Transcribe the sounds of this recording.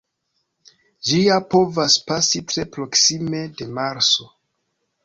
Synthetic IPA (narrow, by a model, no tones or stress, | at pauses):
d͡ʒiapo̞vaspasitɾe̞pɾo̞ksime̞de̞maɾso̞